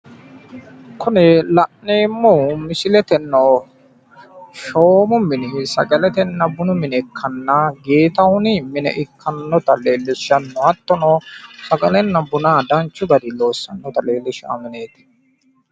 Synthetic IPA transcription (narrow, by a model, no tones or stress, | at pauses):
kʊnɛlɐʔneːmːomɪsɪlɛt̪ɛnːoː | ʃoːmʊmɪnɪɦɪsɐ̰ɡɐlɛt̪ɛnːɐbʊnʊmɪnɛkʰːɐnːɐɡeːt̪ɐhʊniːmɪnɛ̰ʔɪkːɐnːɔt̪ɐleːlːɪʃɐnːɔɐt̪ːɔnoːsɐɡɐlɛnːɐbʊnaːd̪ɐnt͡ʃːʊɡɐd̪ɪloːsːɐnːɔt̪ɐleːlːɪʃa̰ːmɪneːt̪ɪ̥